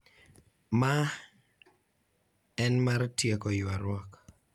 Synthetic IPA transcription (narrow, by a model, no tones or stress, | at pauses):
ma | ɛnmaɾtjekɔjwaɾwɔk